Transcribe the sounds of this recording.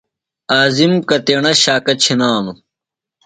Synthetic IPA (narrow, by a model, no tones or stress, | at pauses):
aːzimkɐt̪eːɳɐɕaːkɐt͡ɕʰinaːnu